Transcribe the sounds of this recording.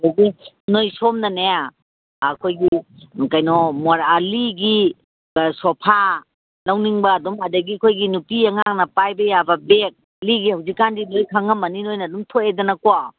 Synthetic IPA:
aɡi | nojsomnɐnaja | kʰojɡikɐjnɔmoɾaliɡi | sɔpʰa | lawniŋbɐːdumɐdɐɡikʰojɡinupiɐŋaŋnɐpajbɐjabɐbek̚ | liɡihawzikːandinojkʰaŋɐmːɐninojnɐdumtʰoedɐnɐkwa

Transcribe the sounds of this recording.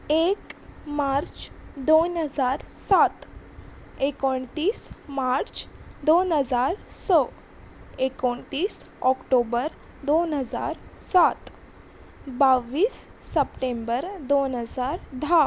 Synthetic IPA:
ekmaɾt͡ʃd̪onɦəzaɾsat̪ | ekoɳt̪iːsmaɾt͡ʃd̪onɦəzaɾsɔ | ekoɳt̪iːs | ɔkʈobəɾ | d̪onɦəza̰ɾsat̪ | baʋiːsːəpʈẽmbəɾd̪onɦəzaɾd̪ʱa

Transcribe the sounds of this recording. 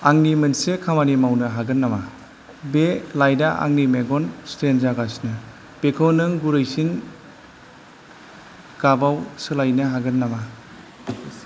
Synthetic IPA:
aŋnimɯnsekʰamanimawnɯɦaɡɯnːama | belajdaʔa̰ŋnimeɡɔnstenzaɡasnɯ | pekʰɔnɯŋɡuɾɯjsin | ɡ̥abawsɯlajnɯɦaɡɯnːama

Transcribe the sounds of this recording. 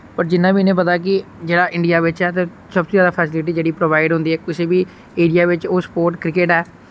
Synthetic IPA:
pəɾd͡ʒɪnːãːbiːnẽːpət̪aːk̬ɪd͡ʒeːɽaːʔɪ̃ɳɖijaːʋɪt͡ʃɦɛːt̪e | səbt̪oːjaːd̪aːpʰɛːsɪlɪʈ̬iːd͡ʒeːɽiːpɾoːʋaːɪɖɦʊ̃nd̪iːɛːkʊseːbiː | eːɽijaːʋɪt͡ʃoːspoːɾʈkɾɪkeʈɦɛː

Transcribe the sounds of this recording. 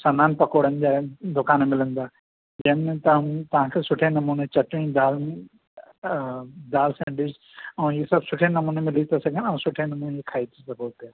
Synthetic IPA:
sɐnaːnpɐkoːɽənɪd͡ʑaːd̪ʊkaːnemɪlə̃nd̪aː | d͡ʒɐnmẽt̪ɐ̃t̪ɐʋ̤ãːkʰesʊʈʰenɐmuːnet͡ʃɐʈẽĩd̪aːl | d̪aːlsɛ̃ːɳɖɪz | ɐ̃iesɐbsʊʈʰenɐmũːnemɪlit̪esɐɡʱənɐ̃ːsʊʈʰenɐmuːnekʰaːit̪ʰisɐboːɾt̪ja

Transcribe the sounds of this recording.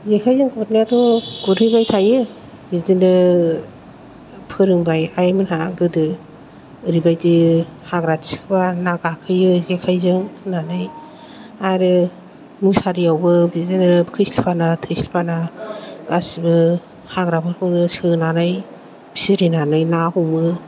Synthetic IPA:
zekʰajzɯŋkʰutnatɔɡuɾɯjbajtʰajɯ | bizdinɯ | pʰɯɾɯŋbajajmɯnhaɡɯdɯ | ɾibajdihaɡɾasʰi̥kbanaɡakʰɯjɯzekʰajzɯŋnanɯj | aɾɯ | musaɾiawbɯbizinɯkʰɯsilpʰanatʰɯjsilpʰanaɡ̥asibɯ | haɡɾabʰɯɾɯnɯsʰɯnanɯj | b̥isiɾinanɯjnahumɯ

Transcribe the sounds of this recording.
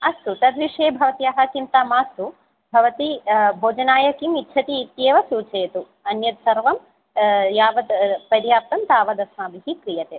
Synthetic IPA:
ɐst̪ut̪ɐd̪ʋiʂeːbʱɐʋɐt̪ijɐɦɐt͡ʃint̪aːmaːst̪u | bʱɐʋɐt̪ibʱoːd͡ʒɐnaːjɐkimit̪ːʃʰɐt̪iːt̪jeːʋɐsuːt͡ʃeːt̪u | ɐnjɐt̪sɐɾʋɐm | jaːʋɐd̪pɐɾjaːp̚t̪ɐmt̪aːʋɐd̪ɐsmaːbiɦikɾijɐt̪eː

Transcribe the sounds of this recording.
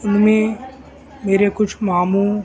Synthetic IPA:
ʊnmẽ | meːɾekʊt͡ʃʰmaːmu

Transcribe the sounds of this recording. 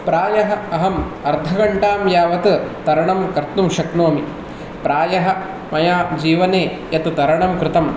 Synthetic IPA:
pɾaːjɐɦɐ̆ɐɦɐmɐɾd̪ʱɐɡɐɳʈaːmjaːʋɐt̪ɨt̪ɐɾɐɳɐmkɐɾt̪numʃɐknoːmi | pɾaːjɐɦɐ̆ | mɐjaːd͡ʒiːʋɐneː | jɐt̪ɨt̪ɐɾɐɳɐmkɾɪt̪ɐm

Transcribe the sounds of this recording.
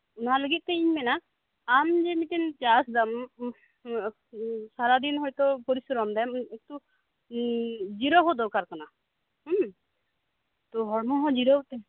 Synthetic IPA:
unɦaləɡit̪̚t̪eiɲmɛna | md͡ʒemit̪int͡ʃasd̪am | saɾad̪inɦɔjt̪ɔpɔɾisɾɔmd̪ɛmek̚t̪u | d͡ʒiɾɔɦod̪ɔkaɾkɔna | ɦ | t̪ɔɦɔɹmɔɦɔd͡ʒiɾɔɦot̪ɛ

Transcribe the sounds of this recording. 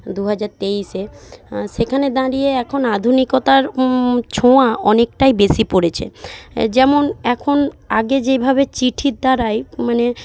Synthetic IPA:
d̪uɦad͡ʑaɾt̪ejʃeʃekʰaned̪ãɾijeɛkʰonad̪ʱunikot̪aɾt͡ɕʰoaɔnek̚ʈajbeʃipoɾet͡ɕʰḛd͡ʑɛmonɛkʰonaɡed͡ʑebʱabet͡ɕiʈʰit̪̚d̪aɾajmane

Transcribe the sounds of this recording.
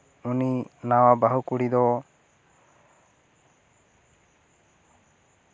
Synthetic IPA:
uninawabaɦukuɽid̪ɔ

